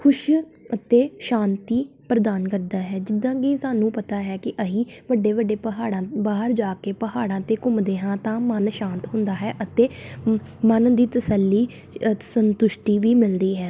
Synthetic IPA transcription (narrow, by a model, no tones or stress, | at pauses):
kʰʊʃ | ət̪eːʃaːnt̪iːpɾəd̪aːnkəɾd̪aːɦɛːd͡ʒɪd̪ːãːɡiːsaːnũːpət̪aːɦɛːkɪʔəɦĩːʋəɖeːʋəɖːeːpəɦaːɽãːbaːɦəɾd͡ʒaːkeːpəɦaːɽãːt̪eːkʊmd̪eːɦãːt̪ãːmənʃãːnt̪ɦʊ̃nd̪aːɦɛːʔət̪eː | mənd̪iːt̪əsəlːiː | sənt̪ʊʃʈiːʋiːmɪld̪iːɦɛː